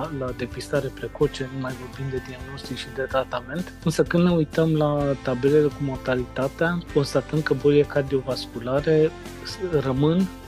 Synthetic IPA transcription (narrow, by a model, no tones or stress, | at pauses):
lad̪e̞pist̪aɾe̞pɾe̞ko̞t͡ʃe̞numajvo̞rbind̪e̞d̪iaɡno̞st̪ikʃid̪e̞t̪ɾat̪ame̞nt̪ɨnsəkɨnd̪ne̞ujt̪əmlat̪abe̞le̞le̞kumo̞rt̪alit̪at̪eako̞nst̪at̪ən̚kəbo̞ɾiekard̪io̞vaskulaɾe̞ | rəmɨn